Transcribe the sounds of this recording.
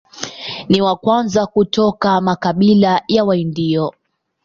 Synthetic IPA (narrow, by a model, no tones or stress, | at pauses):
niwakwanzakutɔkamakaɓilajawaindiɔ